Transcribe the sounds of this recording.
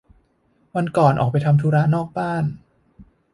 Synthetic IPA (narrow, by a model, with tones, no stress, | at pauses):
wa˧nkɔː˨˩nʔɔ̰ː˨˩k̚pa˧jt̪ʰa˧mt̪ʰuː˦˥ɾa˦˥nɔː˥˩k̚baː˥˩n